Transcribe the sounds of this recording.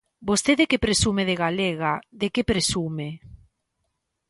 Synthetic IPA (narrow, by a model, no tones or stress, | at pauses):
bost̪eðekepɾesumeðeɣaleɣaðekepɾesume